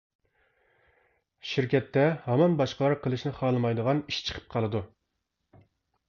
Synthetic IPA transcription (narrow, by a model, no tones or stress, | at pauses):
ʃiɾkʲʰɛt̪ʰːɛhɑmɑnbɑʃqəlˠɑɾqʰəlˠɨʃnɪχɑːlˠɨmɑjd̪əʁɑniʃt͡ʃʰə̥qʰə̥p̚qʰɑlˠɨd̪u